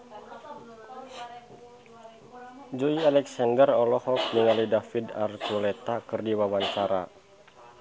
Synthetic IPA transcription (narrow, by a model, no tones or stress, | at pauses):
d͡ʒuialɛksandərɔlɔhɔk̚niŋalidafida̰rt̪ulɛt̪akɨrdiwawaɲt͡ʃaɾa